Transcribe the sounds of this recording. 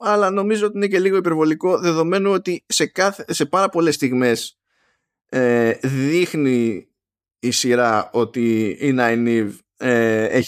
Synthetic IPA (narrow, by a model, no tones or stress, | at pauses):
ɐlɐno̞mizoot̪inece̞liɣo̞ipe̞ɾvo̞liko̞ðe̞ðo̞me̞nuot̪ise̞kɐθese̞pɐɾɐpo̞le̞st̪iɣme̞s | eðixniː | siɾɐo̞t̪iinɐjniv | ee